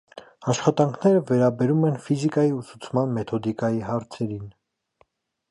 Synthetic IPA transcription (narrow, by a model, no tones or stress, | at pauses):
ɑʃχɑt̪ɑŋkʰnɛɾəvɛɾɑbɛɾumɛnfizikɑjiusut͡sʰmɑnmɛt̪ʰɔd̪ikɑjiɦɑɾt͡sʰɛɾin